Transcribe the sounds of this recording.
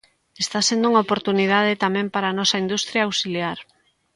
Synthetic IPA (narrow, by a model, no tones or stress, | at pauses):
est̪asẽnd̪ouŋaopoɾt̪unið̞að̞et̪amɛ̃mpaɾaːnɔsɐind̪ust̪ɾjaːwsiljaɾ